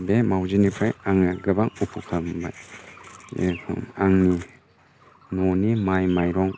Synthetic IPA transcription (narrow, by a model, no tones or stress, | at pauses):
bemawzinipʰajaŋɡɯbaŋupʰukʰamba̰ | aŋni | nɔnimajmajɾɔŋ